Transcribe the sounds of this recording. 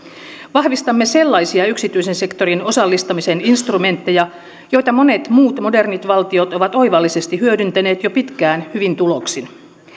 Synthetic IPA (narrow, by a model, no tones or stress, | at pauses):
ʋɑhʋist̪ɑmːese̞lːɑjsiɑyksit̪yisense̞kt̪o̞ɾino̞sɑlːist̪ɑmiseninst̪rume̞nt̪ːe̞jɑ | jo̞jt̪ɑmo̞ne̞t̪muːt̪mo̞de̞rnit̪ʋɑlt̪io̞t̪oʋɑt̪o̞jʋɑlːise̞st̪ihyødynt̪æne̞ːt̪jo̞pit̪kæːnhyʋint̪uloksin